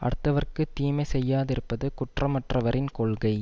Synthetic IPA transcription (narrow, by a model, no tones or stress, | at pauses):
ʔɐ̰ɽɯt̪ːɐʋɐrkɯt̪ːiːmɐɪsɛjːaːðɪɾɯpːɐðɯkʊʈrɐmɐʈrɐʋɐɾʔɪnkɔɭɣɐɪ